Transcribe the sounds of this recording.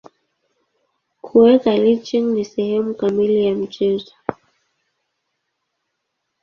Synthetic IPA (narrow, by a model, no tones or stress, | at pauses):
kʰuwɛkalit͡ʃiŋnisɛhɛmukamilijam̩t͡ʃɛzɔ